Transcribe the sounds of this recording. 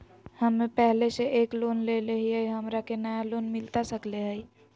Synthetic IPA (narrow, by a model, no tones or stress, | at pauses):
həmːẽpɛɦleseʔeːkloːnleleɦiɦəiɦəmɾakenajaloːnmɪlt̪asəkleɦəi